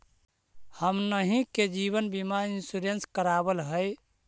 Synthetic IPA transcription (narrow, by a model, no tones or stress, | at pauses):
həmnəɦĩked͡ʒiβənbimaninsuɾenskəɾabəlɦəj